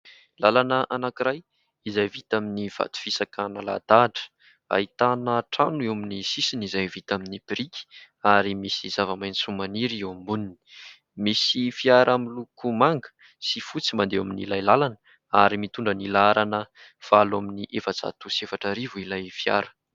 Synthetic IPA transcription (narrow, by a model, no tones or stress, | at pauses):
lalanəʔanakiɾaj | izajvit̪aminiv̥a̰t̪u̥fisakanala̰d̪aʈ͡ʂə̥ | a̰it̪anaʈ͡ʂanuewaminisisinizajvit̪aminibiɾikʲi̥ | aɾimisizavamajnsumaniɾiwambunini̥ | misifiaɾʔamilukumaŋɡə̥ | sifut͡simand̪eaminilajlalan | aɾimit̪uɳɖ͡ʐənilaɾanə | falaminiʔefat͡sa̰t̪usefaʈ͡ʂəɾivuilajfja̰ɾə̥